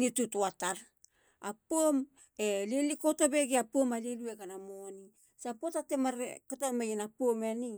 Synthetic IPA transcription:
nitutuataɾ | apom | eleliko̞tobeɡiapomalelueɡanamoni | sapotatemaɾekatamajenapomeni

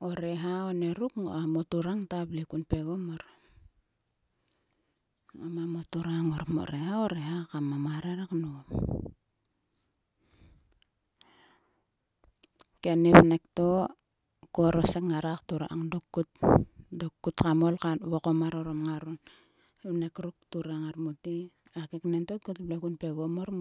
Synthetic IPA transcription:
oɾeɦaone̞ɾukŋo̰amotuɾaŋtaplikunpe̞ɡomoɾ | omamotuɾaŋoɾmo̰ɾeɦaoɾeɦakamamaɾeɾaknuom | kenipnekto | koɾosekŋaɾaktuɾa̰ʔaŋdokːut̚dokːutkamolkaβokomaɾoɾomŋaɾun | βnekɾuktuɾaŋaɾmuti | akeknentot̚kutbleɡunpe̞ɡomoɾm

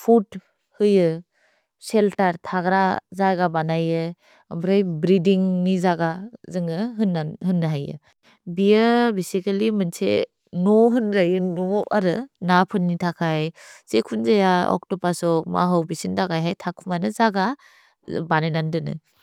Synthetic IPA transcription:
pʰut | hɯjɯ | seltaɾtʰaɡɾazaɡabanajɯ | ambɾɯjbɾidiŋnizaɡazɯŋɯɦɯnaɦɯnːaɦajɯ̰ | bijɯbesikalimɯnsḛ | nɔɦɯnɾajɯnɔaɾɯnapʰɯnːitʰakʰajsekʰunzajaɔ̰k̚tɔpasɔk̚ma̰ɦɔwbisindaɡajɦajtʰakʰumanɯzaɡa | banajnandɯnɯ̰

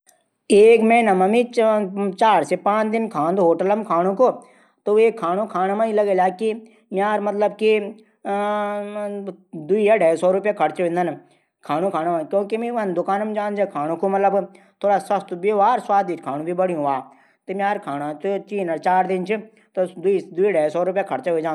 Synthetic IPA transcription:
eːkmẽːnɐmɐmit͡ʃt͡ʃaːɾsepãːt͡ʃd̪ɪnkʰãːnd̪ɦoːʈəlɐmkʰaːɽ̃õko | t̪oeːkʰːaːñõkʰaːnamãːilɐɡeːlaːki | mʲaːɾmɐt̪ləbki | d̪uijaɖʱajsɔːɾʊpjakʰɐɽt͡ʃeẽnd̪ɐn | kʰaːñũkʰaːñaãkjõːkimĩʋɐnd̪ʊkaːnəmd͡ʒãːnd͡ʒaːkʰaːɽ̃õkomɐt̪ləbt̪ʰoːɽaːsɐst̪biʋaːɾswaːd̪iːt͡ʃkʰaːñũbʱibəɽijũaː | t̪mjaːɾkʰaːnãt̪ot͡ʃiːnɐɾt͡ʃaːɾd̪ɪnt͡ʃʰɪ | t̪od̪ʊid̪ʊiːɖaːsɔːɾʊpjakʰɐɽt͡ʃaɦd͡ʒaː

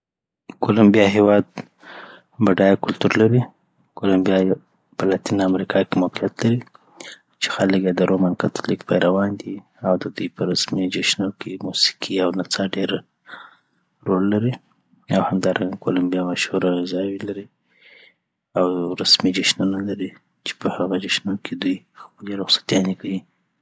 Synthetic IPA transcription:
kolambijɑɦewɑd̪ | baɖɑjakʊlt̪uɾlaɾi | kolambijɑj | pəlat̪inaamɾikʰɑkemawqijat̪laɾi | t͡ʃe̥xaləkjad̪əɾomankat̪ʊlikpajɾawɑnd̪i | awd̪əd̪ujpəɾasmid͡ʒeʃnokimusi̥kʰiawnat͡sɑɖeɾ | ɾolːaɾi | awhamd̪ɑɾʔaŋɡakolambijɑmaʃhuɾaɣɪzɑwilaɾi | awɾasmid͡ʒaʃnonalaɾi | t͡ʃe̥pəhaɣad͡ʒaʃnokʰed̪uj | xpəleɾʊxsḁt̪jɑnekawi

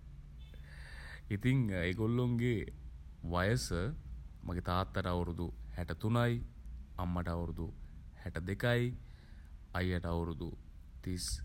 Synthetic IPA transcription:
it̪iŋeɡolːoŋɡe | ʋajəsəmʔaɡet̪aːt̪ːɐʈawɾud̪uhɛʈət̪unajamːɐʈawɾud̪u | hɛʈəd̪ekaj | ajːaʈawɾud̪u | t̪is

